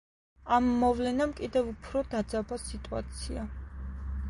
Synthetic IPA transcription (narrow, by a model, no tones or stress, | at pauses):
amːɔvlɛnamkʼid̪ɛvupʰɾɔd̪ad̪zabasit̪ʼua̰t̪sʰia